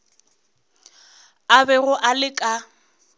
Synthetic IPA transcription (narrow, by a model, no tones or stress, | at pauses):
abɛɣʊʔalɪkʼa